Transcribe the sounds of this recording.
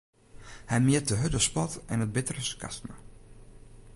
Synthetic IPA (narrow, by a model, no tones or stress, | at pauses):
hɛjmɪət̚dəɦødəspɔtɛnət̚bɪtərəskʰa̰stma̰